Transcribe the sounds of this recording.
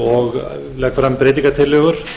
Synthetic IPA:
ɔɣ | lɛːkfɾamːpɾeːt̪̬iŋkat̪ʰɪlɛːɣʏɾ̥

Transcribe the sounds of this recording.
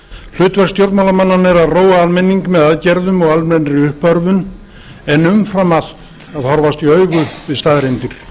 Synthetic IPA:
l̥ʏːt̪vɛkst̪jowɾt̪mawlamanːanːɛɾaðroːwaalmɛnːiŋkmɛðaðcɛɾðʏmɔɣalmɛnɾɪʏhpœɾvʏn | ɛnʏmfɾamal̥t̪ | aðhɔɾvast̪iœːɥɣʏvɪðst̪aːðɾent̪iɾ̥

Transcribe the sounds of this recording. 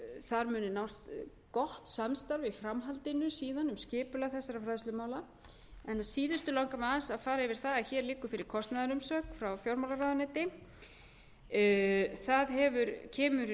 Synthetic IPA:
θaɾmʏːnʏnawst̪ | kɔht̪samst̪aɾvɪfɾamɦalt̪ɪnʏsiːðanʏmscɪːpʏlaθɛsːaɾafɾajðslʏmaːwla | ɛnaðsiːðʏst̪ʏlawŋkamɛðansaðfaːɾaɪvɪɾ̥θaðaçɛːɾliːkːʏfɪɾɪɾ̥kʰɔst̪naðaɾʏmsœːkfɾawfjɔwɾmawlaɾaðanɛːt̪ɪ | θaðɦɛvʏɾcʰɛːmʏɾ

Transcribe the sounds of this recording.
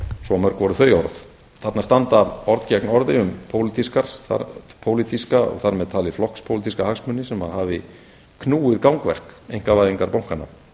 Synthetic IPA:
sɔmœɾ̥kvɔɾθœːɥɔɾθ | θat̪nast̪ant̪aɔɾt̪cɛknɔɾðɪʏmpʰoːwlit̪iskaɾ̥θa̰pʰowlit̪iskaɔ̰ɣθaɾmɛðt̪ʰaːliflɔhkspʰowlit̪iskahaksmʏnːɪsɛmaðhaːvɪ | kʰnuːɪðkawŋkvɛ̰r̥kejŋ̥kavaːjðiŋkaɾpowŋ̥kanːa̰m

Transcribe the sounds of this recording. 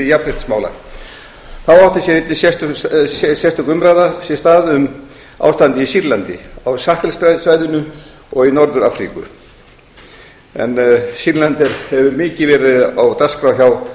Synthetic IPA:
japrɪht̪smaːwla̰ | θawaft̪ɪ̥sjɛɾɪt̪nɪsjɛst̪ | sjɛst̪ʏkʏmɾaːjðasjɛst̪aːðʏm | a̰ːwst̪ant̪ɪisiɾlant̪ɪ̰awsahkɛlsasvaːjðʏnʏ | ɔɣinɔɾðʏɾaːfɾḭkʏ̰ | ɛ̰nsiɾlant̪ɛɾ̥hɛvʏɾmɪːcɪvɛːɾɪðawt̪askɾawçaw

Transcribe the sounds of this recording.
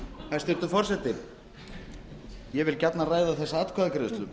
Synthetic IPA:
θajst̪ɪɾt̪ʏɾfɔrsɛt̪ːɪ | jɛvɪlcat̪naraːjðaθɛsːaat̪kʰvaðakɾɪðʏst̪ʏm

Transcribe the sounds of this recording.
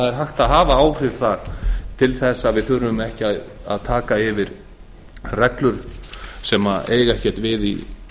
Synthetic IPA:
aðɛɾ̥ɦajxt̪aðɦaːvaaːwr̥ɪð̥θaɾ̥t̪ʰɪlθɛsːavɪðθʏɾʏʏmɛhcɪaða̰ðt̪ʰaːkaɪvɪɾ | rɛklʏɾ̥sɛːma̰eːjɣɛhcɛ̥t̪vɪðḭ

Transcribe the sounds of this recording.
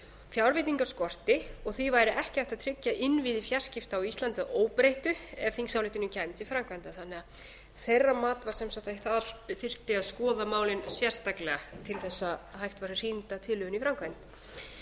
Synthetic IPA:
fjawɾvɪt̪niŋkaɾ̥skɔr̥t̪ɪɔɣθivaːjɾɪʔɛhcɪajft̪aðt̪ʰɾɪcːaʔɪnviːðɪfjar̥scɪft̪awist̪lant̪ɪðaoːwpɾejht̪ʏɛv̥θiŋsawlɪht̪ɪnʏmcʰajmt̪ifɾawŋkvajnt̪aθanːɛa | θejrːamaːt̪vaɾsɛmsaht̪aθaðɾθɪr̥t̪ɪaðskɔːðamaːwlɪnsjɛr̥st̪aklɛɣat̪ʰɪlθɛsːaɦajxt̪vaɾɪr̥int̪at̪ʰɪlʏʏnifɾaŋkvajnt̪

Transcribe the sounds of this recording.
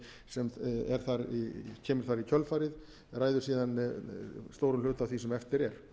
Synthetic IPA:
sɛmɛɾ̥θaɾicʰɛːmʏɾ̥θaɾicʰœlfaːɾɪð | raːjðʏ̥siːðan | st̪oːwɾʏmlʏːt̪avθvisɛmɛft̪ɪɾɛɾ̥

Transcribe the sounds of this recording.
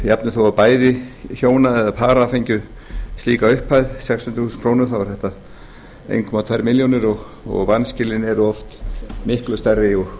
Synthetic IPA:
japnʏθowapaːjðɪçoːwnaɛðapʰaːɾafejɲcʏ | st̪liːkaʏhphajðsɛksʏnt̪θusʏ̥nkʰɾownʏɾθawaɾ̥θɛht̪a | ḛːjnkʰɔmat̪ʰvɛɾmɪljownɪɾɔɣ | ɔ̰ɣvanscɪlɪnɛɾʏɔft̪mɪhklʏst̪ɛrːɪɔɣ

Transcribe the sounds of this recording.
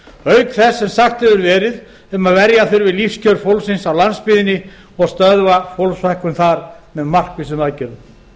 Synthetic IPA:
œɥkθɛsːɛmsaxt̪hɛvʏɾvɛːɾɪð | ɛmaðvɛɾjaθʏɾvɪðlifscʰœɾfowlsɪnsawlanspɪːðɪnɪ | ɔɣst̪œðvafowlsvajhkʏmθaɾmɛðmar̥kvɪsʏmaðcɛɾʏm

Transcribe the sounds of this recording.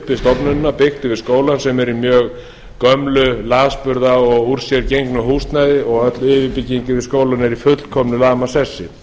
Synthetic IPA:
pɪst̪ɔpnʏnːapɪxt̪ɪvɪðskoːwlansɛmɛɾimjœːɣ | kœmlʏlaːðspʏɾðaɔɣuɾ̥sjɛɾcejŋknʏɦust̪najðɪɔɣœt̪lɪvɪpɪcːiŋkɪvɪðskoːwlanɛɾifʏt̪l̥kʰɔmnʏlaːmasɛsːɪ

